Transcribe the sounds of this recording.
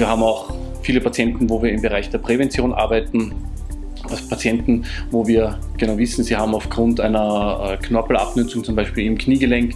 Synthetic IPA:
viːɐɦaːbm̩aʊxfiːləpʰat͡sjɛntn̩voːviːɐɪmbəʁaɪçd̥eːɐpʁ̥ɛvɛnt͡sjoːnʔa̰ɐbæɪtn̩ | aspʰat͡sjɛntn̩voːviːɐ | ɡ̥ənaʊvɪsn̩ziːhaːbm̩aʊfɡ̥ʁʊntaɪnɐɛːkʰnɔɐpl̩a̰pnʏt͡sʊŋt͡sʊmbæɪʃpiːlɪmkʰniːɡəlɛŋkt

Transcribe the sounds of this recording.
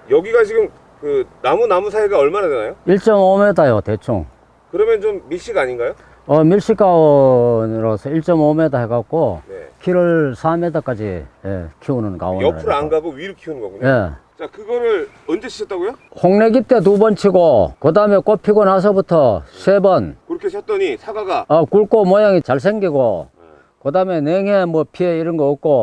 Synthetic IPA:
jʌɡiɡat͡ɕiɡɯm | kɯnamunamusʰaeɡaʌɭmaɾadenajoiɭt͡ɕ͈ʌmome̞dajote̞t͡ɕʰo̰ŋ | kɯɾʌmjʌnt͡ɕomːiɭɕ͈iɡaɲinɡajo | ʌmiɭɕ͈ik͈aonɾosʰʌiɭt͡ɕ͈ʌmomedaɦeɡak̚k͈onḛkʰiɾɯɭsʰamedak͈ad͡ʑḭjḛkʰiunɯnka̰woʌɾaɯɾanɡaɡoɥiɾɯkʰiunŋɡʌɡuɲjet͡ɕakɯɡʌɾɯɭ | ʌnd͡ʑeɕʰi̥ɕʰʌt͈aɡojohoŋneɡit͈e̞t̬ubʌnt͡ɕʰiɡokɯdame̞k͈opʰiɡonas̬ʰʌbutʰʌsʰebʌnkɯɾʌkʰesʰʌt͈ʌɲisʰaɡaɡaʌkuɭk͈omʌjaŋit͡ɕaɭs̬ʰeŋɡiɡo | kɯdame̞neŋɦe̞mwʌpʰieiɾɯnɡʌːk͈̚o

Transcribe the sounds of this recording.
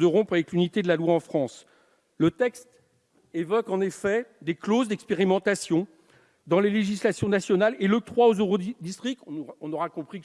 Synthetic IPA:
d̪əʁɔ̃pχavɛklynit̪ed̪əlalwaɑ̃fχɑ̃s | lət̪ɛkst̪ | evɔkɑ̃nefɛd̪eklozd̪ɛkspeʁimɑ̃t̪asjɔ̃ | d̪ɑ̃leleʒislasjɔ̃nasjɔnalelət̪χwaozøʁod̪ist̪χik̚t̪ɔ̃nɔʁakɔ̃pχi

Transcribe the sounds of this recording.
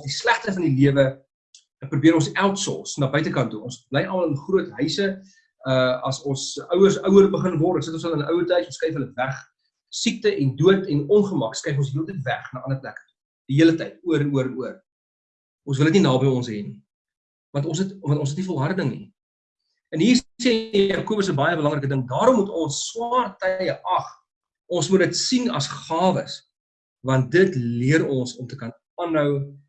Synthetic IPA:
sdislæχtəfɐndiliəvə | prubiəɾɔ̃nsælˠtsɔ̰snɑːbœɥtəkɐntuɔnsblɛjʔɑlməlˠənχruətɦœɥsə | əɐsɔnsœwərsœwərbəχənvɔrsətɔ̃nsɦələnəʔœwərtɐjsɔ̃nskɛjfɦələvæχ | sik̚təʔɛnduərtɛnɔnχəmɐkskɛjfɔ̃ns̬ɦiəlˠtəjtvæχnɑːʔɐnəplækə̥tu̥ | d̥iɦiələtɐjt̚uəɾənuəɾənuər | ʔɔns̬vələtninɑːbəjɔnsɦɛni | vɐntɔ̃nsətvɐntɔ̃nsətnifɔlˠɦɐrdəŋnḭ | ənɦiːrsekuəpəsəbɐjəbəlɐŋɾəkədəŋdɑːɾɔmːutɔnsːwɑːrtɐjəʔɐχ | ɔnsmutdətsinɐ̰sχɑːvəs | vɐnt̚dətliəɾɔnsɔmtəkɐn | ɑːnɦœw

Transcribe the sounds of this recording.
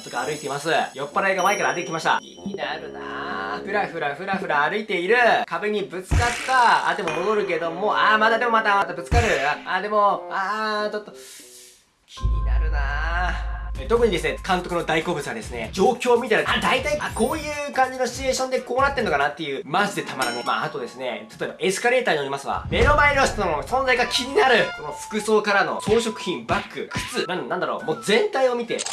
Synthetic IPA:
t͡sɨɡaːɾɯ̟it̪e̞imasɨjo̞pːaɾaeɡamaekaɾaːɾɯt̪ːekʲimaɕi̥t̪a̰kʲḭɲinaɾɯ̟na̰ɸɯ̟ɾaɸɯ̟ɾaɸɯ̟ɾaɸɯ̟ɾaːɾɯ̟it̪e̞iɾɯ̟kʰabe̞ɲ̟ibɯ̟t͡sɨ̥kat̪ːaa̰d̪e̞mo̞mo̞d̪o̞ɾɯ̟ke̞d̪o̞mo̞ʔamad̪ad̪e̞mo̞mat̪amat̪abɯ̟t͡sɨ̥kaɾɯ̟aaːd̪e̞mo̞aːt͡ɕo̞t̪ːo | kʲʰiɲ̟ʲina̰ɾɯ̟na | et̪o̞kɯ̟ɲid̪e̞sɨne̞kãnt̪o̞kɯ̟no̞d̪aiko̞ːbɯ̟t͡sɨɡad̪e̞sɨne̞̰d͡ʑo̞ːkʲo̞ːmʲit̪eɾaad̪ait̪aiako̞ːjɯ̟ːkãɲ̟d͡ʑinoɕi̥t͡ɕie̞ːɕõ̞nd̪e̞ko̞ːnat̪ːe̞ɾɯno̞kanat̪ːe̞jɯ̟ːmazɨd̪e̞t̪ʰamaɾanɯma̰at̪o̞d̪e̞sɨne̞̰t̪ʰḁt̪oebaʔe̞sɨ̥kaɾe̞ːt̪aːɲioɾimasɨβa̰me̞ɾo̞maeɾʲoɕt̪noosõnzaiɡakʲʰiɲ̟inaɾɯ̟so̞no̞ɸɯ̥kɯ̟so̞ːkaɾano̞̰so̞ːɕo̞kɯ̟̥çĩmbakːɯ̟kʰɯ̟̥t͡sɨnanãnd̪aɾo̞̰ːmoːzẽ̞nt̪aio̞mʲit̪e̞̰

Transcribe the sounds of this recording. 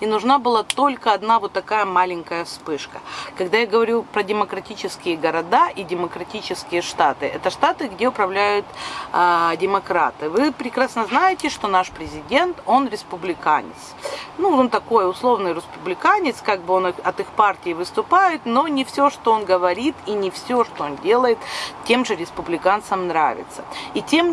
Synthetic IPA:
ɪnʊʐnabɨlˠat̪o̞lʲkəɐd̪navo̞t̪ːɐkajəmalʲɪŋʲkəjəspɨʂkə̥kɐɡd̪ajaɡəvɐɾʲupɾədʲɪməkɾɐtʲit͡ɕɪskʲɪjəɡəɾɐd̪aʔidʲɪməkɾɐtʲit͡ɕɪskʲɪjəʂt̪at̪ɨʔɛt̪əʂt̪at̪ɨɡdʲe̞ʊpɾɐvlʲæjʊt̪ | dʲɪmɐkɾa̰t̪ɨvɨpɾʲɪkɾasnəznajɪtʲɪʂt̪o̞naʂpɾʲɪzʲɪdʲe̞nt̪o̞nɾʲɪspʊblʲɪka̰nʲɪ̰t̪snuont̪ɐko̞jʊslˠo̞vnɨjɾɪspʊblʲɪkanʲɪt̪skaɡ̚bɨo̞nɨxɐt̪ɨxpartʲɪːvɨst̪ʊpajɪt̪no̞nʲɪfsʲo̞ʂt̪oonɡəvɐɾʲit̪inʲɪfsʲo̞ʂt̪oondʲe̞lˠəjɪt̪tʲe̞mʐɨɾʲɪspʊblʲɪkant̪səmnɾavʲɪ̰t̪sə̥itʲem

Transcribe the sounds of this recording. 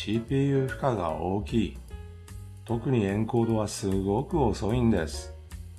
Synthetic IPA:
ɕiːpʲiːjɯ̟ːɸɯ̟̥kaɡa̰oːkʲiː | t̪o̞kɯ̟ɲ̟iẽ̞ŋko̞ːd̪o̞βasɨɡo̞kɯ̟o̞so̞ĩnd̪e̞sɨ̥

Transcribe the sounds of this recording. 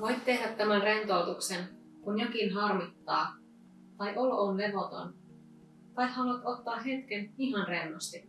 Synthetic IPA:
ʋo̞jt̪t̪e̞ɦdæt̪ːæmænre̞nt̪owt̪uksen | kunjokinɦɑrmit̪ːɑː | t̪ɑjʔoloːnle̞ʋo̞t̪o̞̰n | t̪ɑjt̪hɑluɑt̪o̞t̪ːɑːɦe̞t̪k̟eniɦɑnre̞nːost̪i

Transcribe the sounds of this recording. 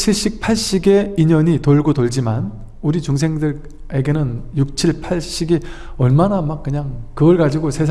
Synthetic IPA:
t͡ɕʰiɭɕ͈ik̚pʰaɭɕ͈iɡe̞iɲʌɲitoɭɡotoɭd͡ʑiman | uɾit͡ɕuŋs̬ʰe̞ŋdɯɾ | e̞ɡe̞nɯnjuk̚t͡ɕʰiɭpʰaɭɕ͈iɡi | ʌɭmanamak̚k͈ːɯɲaŋkɯɡʌɭɡad͡ʑiɡosʰe̞sʰ

